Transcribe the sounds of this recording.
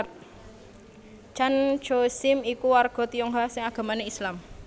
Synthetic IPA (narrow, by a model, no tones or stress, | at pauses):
t͡ʃan̥d͡ʒosɪmikuwarɡ̥ɔ̤t̪ijɔŋɦasɪŋaɡ̥a̤maneislam